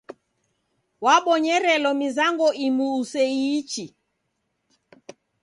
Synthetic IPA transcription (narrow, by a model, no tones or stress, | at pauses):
waɓɔɲɛɾɛlɔmizaŋɡɔʔimuːsɛit͡ʃi